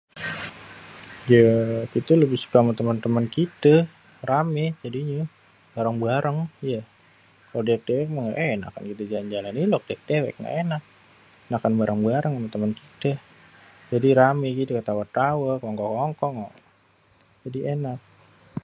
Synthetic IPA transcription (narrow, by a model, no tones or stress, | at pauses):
jəkit̪ələbɪhsu̥kaamat̪əmənt̪əmənkit̪ə | ramɛd͡ʒadiɲə | baɾaŋbaɾʔəŋja | kalodiɛk̚dewɛk̚məŋɡa̰ʔena̰ka̰nkit̪əd͡ʒaland͡ʒalanilɔk̚diak̚dewɛ̰k̚ŋɡa̰ʔenak̚ | nakanbaɾʔaŋbaɾəŋamat̪əmənkit̪ə | d͡ʒadiɾameɡit̪ukət̪awat̪awəkɔŋkɔkɔŋkɔŋɔ | d͡ʒadienak̚